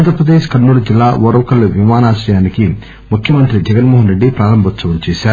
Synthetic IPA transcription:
nd̪ɾpɾɐd̪eːʃkɐnːuːɽud͡ʒilːaːʋɔɾɐʋɐkɐlːuʋimaːnaːʃɾɐjaːniki | mukʰjɐmɐnt̪ɾid͡ʒɛɡɐnmoːɦɐnɾe̞ɖːipɾaːɾɐmbʱɐt̪sɐʋɐmt͡ʃɛːʃaːɾu

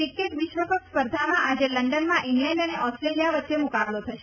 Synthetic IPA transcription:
ʈikːeʈʋɪʃʋəpəkspəɾd̪ʱamãʔad͡ʒeləɳɖənmãʔiŋɡlɛ̃ɳɖəneʔɔsʈɾelijaʋət̪ːʃemukablot̪ʰəʃe

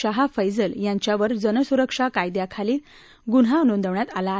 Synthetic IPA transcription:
əɦafəjd͡zəljaɲt͡ɕjaʋəɾd͡zənəsuɾəkʂakajd̪jakʰaliː | ɡunɦanond̪əʋɳjat̪ala

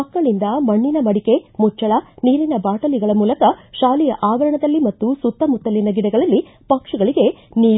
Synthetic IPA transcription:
ɐkːɐɭind̪ɐmɐɳːinɐmɐɽike̞mut͡ʃːɐɭɐniːɾinɐbaːʈɐliɡɐɭɐmuːlɐkɐʃaːlijɐʔaːʋɐɾɐɳɐd̪ɐlːimɐt̪ːusut̪ːɐmut̪ːɐlinɐɡiɽɛɡɐɭɐlːi | pɐkʂɐɡɐɭiɡe̞niː

